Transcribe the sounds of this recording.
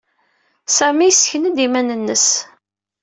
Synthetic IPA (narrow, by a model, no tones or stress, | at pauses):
sæmisçənəd̪imænənːəs